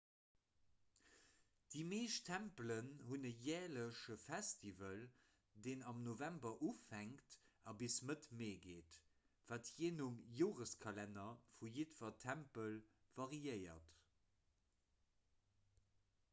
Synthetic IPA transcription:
d̥imeːʃtʰæmplənɦunəjɛːɐləʃəfæstʰivəl | deːnɑmnovæmbɐʔufæŋktɑbisnətmeːɡeːt | vaːtjeːnumjoːʁəskʰɑlænɐfujitvɐtʰæmpəl | v̥ɑʁiəɪɐ̰t

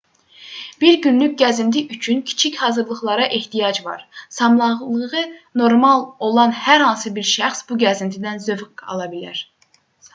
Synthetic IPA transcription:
b̥iɾɡʲynlyk̚ʲɡʲɛzint̪ʰɪʔyt͡ʃʰynkʲʰi̥t͡ʃʰikʲhɑːzɨɾlˠəχlˠɑɾɑʔeht̪ʰijɑd͡ʒvɑ̰ɾsɑmlˠɑʁlˠəʁɨnoɾmɑlˠolˠɑnhæɾhɑnsɨbiɾʃæχsb̥uɡʲɛzɪnt̪ʰɪd̪ænzøvqɑ̰lˠɑbilæ̰ɾ

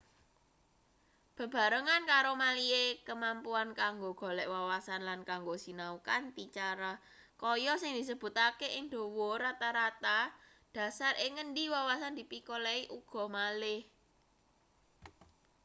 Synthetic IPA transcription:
b̥ə̤b̥a̤ɾəŋankaɾomaliekəmampuankaŋɡoɡ̥ɔ̤lɛʔwawasanlankaŋɡosinaukanpit͡ʃaɾa | kɔjɔsɪŋd̪̥i̤səb̥ṳt̪akeʔɪŋd̪̥o̤wɔɾat̪aɾat̪a | d̥ä̤sarʔɪŋənɖiwawasand̪̥ipikoleiʔuɡ̥ɔ̤malɪh

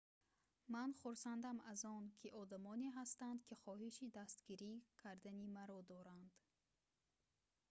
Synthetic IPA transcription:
manχuɾsand̪amazɔnkʰiʔɔd̪amɔneɦast̪and̪kʰiχɔɦiʃid̪ast̪ɡiɾikʰaɾd̪animaɾɔd̪ɔɾand̪̥

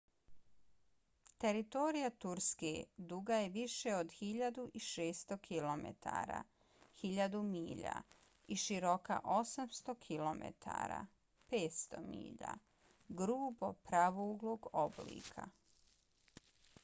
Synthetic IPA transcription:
t̪e̞ɾit̪o̞ɾijat̪uɾskḛd̪uːɡajeʋiʃeod̪xiʎad̪uʔiʃeːst̪okʰilomḛt̪ʰa̰ːɾa̰ | xiʎad̪umiːʎa̰ | iʃiɾo̞ka̰ʔo̞samst̪o̞kʰilomḛt̪ʰa̰ːɾa̰ | peːt̪st̪omḭːʎa̰ | ɡɾuːbopɾaʋuːɡlˠoːɡoblḭːkʰa̰

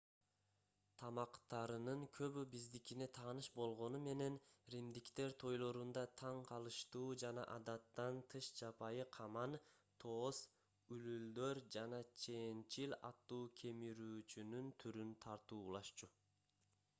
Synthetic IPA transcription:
t̪ʰɑmɑqt̪ɑɾɯnɯŋkʰø̞βybizd̪ikine̞t̪ʰɑːnɯʃbo̞lˠʁo̞nume̞ne̞nɾimd̪ikt̪e̞ɾt̪ʰo̞jlˠo̞ɾund̪ɑt̪ʰɑɴqʰɑlˠɯʃt̪uːd͡ʒɑnɑ̰ʔɑd̪ɑt̪ːɑnt̪ʰɯʃd͡ʒɑpɑjɯqʰɑmɑn | t̪ʰo̞ːs | ylyld̪øɾd͡ʒɑnɑt͡ʃʰe̞nt͡ʃilʲɑ̰t̪ːuːkʲʰe̞miɾyːt͡ʃynynt̪ʰyɾynt̪ʰɑɾt̪uːlˠɑʃt͡ʃu

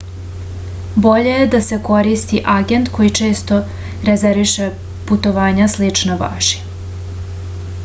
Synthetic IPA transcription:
bo̞ʎejed̪ase̞ko̞ɾist̪iʔaɡe̞nt̪kʰo̞jit͡ʃe̞ːst̪o̞ | ɾezeɾʋiʃe | put̪o̞ʋaːɲaslit͡ʂnaba̰ːʒi̥

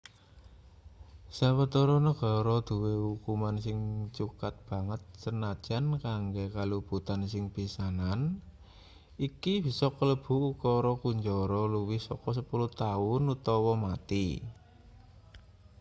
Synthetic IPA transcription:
sawət̪ɔɾɔnəɡ̥ɔ̤ɾɔd̪̥ṳwehukumansɪŋt͡ʃukat̪̚b̥a̤ŋət̪̚sənad̥ʒ̥a̤nkaŋɡekalub̥ṳt̪ansɪŋb̥isanan | ikib̥i̤sɔkələb̥ṳukɔɾɔkuɲd͡ʒɔɾɔluwɪhsɔkɔs̬əpuluht̪aʊnut̪ɔwɔmat̪i

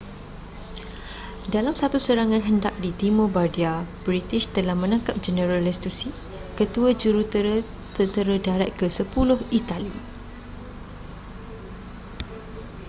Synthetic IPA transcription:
dalamsat̪usəɾaŋãnɦəndak̚dit̪imobadiabɾit̪iʃt̪əlahmə̃nãŋkap̚d͡ʒənəɾalɛst̪usi | kət̪uəd͡ʒuɾut̪əɾə | t̪ənt̪əɾadaɾat̪̚kəsəpulʊhit̪alḭ

